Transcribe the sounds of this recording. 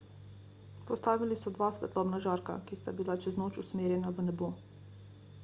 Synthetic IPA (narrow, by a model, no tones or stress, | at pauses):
pɔst̪aːʋilisɔd̪ʋaːsʋɛ̰t̪lɔːbnaʒaːɾka̰kist̪abilat͡ʃɛznoːt͡ʃusmeːɾjɛnaʋənɛbo